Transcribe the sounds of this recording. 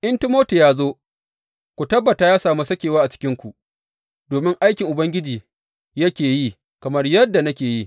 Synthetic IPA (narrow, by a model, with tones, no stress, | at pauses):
ʔɪ˦ntɪ˦moː˦tu˨jaː˦zoː˦ | kʷu˨tɐ˦bːɐ˨taː˦jaː˦saː˨mu˦sɐ˦kʲeː˨waː˦ʔa˨t͡ʃɪ̥˦kʲɪ˦ŋkʷu˨ʔ | doː˨mɪ˦ŋʔa˦jkʲɪ˨ŋʔʊ˨bɐ˦ŋɡʲɪ˦d͡ʒiː˨ | jɐ˦kʲeː˨ji˦ | kɐ˨mɐ˦rjɐ˦dːa˨nɐ˦kʲeː˨ji˦